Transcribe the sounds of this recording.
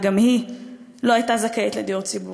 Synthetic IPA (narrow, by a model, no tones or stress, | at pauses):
ɡamhi | loajtazakeet̪led̪iuʁt͡sibu